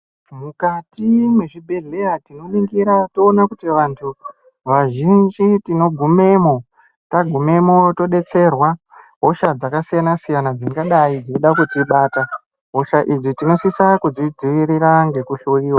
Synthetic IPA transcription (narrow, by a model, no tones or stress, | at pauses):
mukatimwe̞ʐibʱe̞ɮe̞jatino̞ɓiŋɡiɾatoːnakutiʋantʰu | ʋaʒind͡ʒitino̞ɡʱume̞mo̞ | taɡʱume̞mo̞to̞ɗe̞t͡se̞rwa | ɦo̞ʃad͡zakasijanasijanad͡ziŋɡaɗaid͡zoiɗakutiɓaːta | ɦoʃaʔid͡zitino̞sisakud͡zid͡ziʋiɾiɾaŋɡe̞kuɬuiːwa